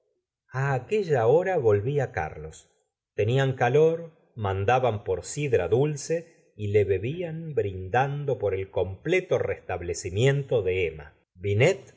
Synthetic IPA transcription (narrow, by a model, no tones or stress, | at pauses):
aːke̞ʒaoɾaβo̞lβiaka̰ɾlo̞s | t̪e̞niaŋkaloɾ | mand̪aβampoɾsiðɾaðulse̞ | ile̞βe̞βianbɾind̪and̪opo̞ɾe̞lko̞mplet̪o̞rest̪aβlesimje̞nt̪o̞ðe̞ema̰ | βinet̪̚